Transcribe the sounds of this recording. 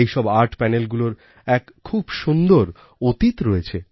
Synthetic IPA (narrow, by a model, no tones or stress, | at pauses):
ejʃɔbaɾʈpɛnelɡuloɾ | ɛkkʰːubʃund̪oɾ | ot̪it̪ɾoet͡ɕʰe